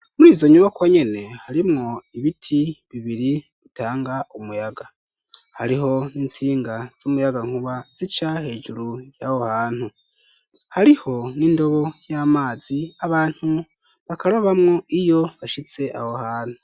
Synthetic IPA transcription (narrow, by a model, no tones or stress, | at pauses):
muɾiːzo̞ɲuβakwoɲe̞ne̞haɾimŋo̞iβitʰiβiβiɾi | βitaːŋɡaʔumujaɡa | haɾiɦo̞niːnt͡siːŋɡaz̥umujaɡaŋuβaz̥it͡ʃahe̞ːʒuɾujaho̞haːn̥hu | haɾiho̞nindo̞βo̞jaːmaːziaβaːn̥hu | βakaɾoβamŋo̞ʔijo̞βaʃit͡se̞ʔaho̞haːn̥hu